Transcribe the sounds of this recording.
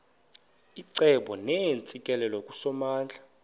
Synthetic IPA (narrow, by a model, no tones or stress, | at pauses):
iǀɛɓɔnɛnt͡sʼikʼɛlɛlɔkʼusɔmaːnd͡ɮʱa